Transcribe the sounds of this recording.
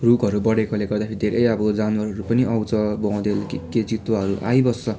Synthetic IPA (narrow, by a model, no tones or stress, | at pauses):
rukʌɾubʌɽekʌleɡʌrd̪apʰeɾid̪ʱeɾʔʌjʌbʌd͡zanwʌɾɦʌɾupʌniʔʌwt͡sʌbʌ̃w̃d̪elkked͡zit̪waɦʌɾuʔa̰jbʌsʌ